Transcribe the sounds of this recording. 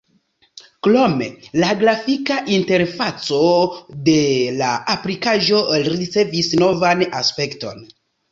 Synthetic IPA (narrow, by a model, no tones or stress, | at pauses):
klo̞me̞̰laɡlafikaʔinte̞ɾfat͡so̞de̞laaplikaʒo̞ɾit͡se̞visno̞vanaspe̞kto̞̰n